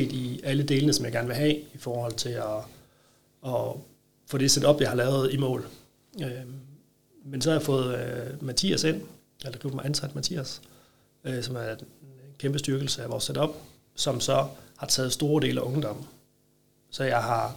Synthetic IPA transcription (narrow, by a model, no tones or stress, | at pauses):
ḛːd̥iæləd̥e̝ːlənəsɒmjɑ̈ɡ̥æɐnʋe̝ɦɛ̰ifɒːhɒ̽l̰t͡sʰe̝lɒ | ɒ | fɔd̥esed̥ɒ̽b̥jɑ̈hɑ̈lɛːʊð̞̩ˠimɔ̰̽ːl | ø | mensɒ̽hɑ̈jɑfɔ̽ːð̞̩ˠmæt͡sʰḭæse̝n̰ | elɐɡ̥ʁiʊ̥mɑ̈ɪænsæd̥mæt͡sʰḭːæs | øsɒ̽mæɐd̥enkʰemb̥əsd̥yɐɡ̥l̩səæʋɒ̰ːsed̥ɒ̽b̥ | sɒ̽msɒ̽hɑ̈t͡sʰɛ̰ːð̞̩ˠsd̥o̝ːɐd̥e̝ːləæʔɔ̽ŋd̥ɒ̽m̰̩ | sɒ̽jɑ̈ɪɦɑ̈